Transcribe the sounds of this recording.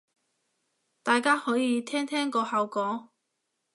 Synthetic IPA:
t̪aː˨jkaː˥hɔː˨˥jiː˧t̪ʰɛː˥ŋt̪ʰɛː˥ŋkɔː˧hɐ˨˧wkɔː˨˥ŋ

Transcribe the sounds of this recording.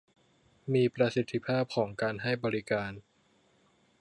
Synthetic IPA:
miː˧pɾa˧si˨˥t̪ʰːi˧˥pʰaː˥˩p̚kʰɔː˩˦ŋkaː˧nɦa˥˩jbɔː˧ɾi˦kaː˧n

